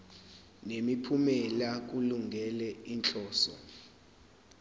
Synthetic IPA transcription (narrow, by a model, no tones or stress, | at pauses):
nemipʰumɛlak̬uluŋɡʱɛlɛint͡ɬʼɔːsɔ̰